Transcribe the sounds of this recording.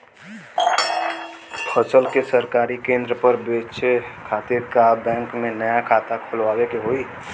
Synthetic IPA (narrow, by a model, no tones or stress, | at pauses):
pʰəsəlkesəɾkaːɾikẽːnd̪ɾəpəɾbeːt͡ʃekʰaːt̪iɾkabɛ̃ːŋkmẽnəjakʰaːt̪akʰolʋaːwekeɦoːi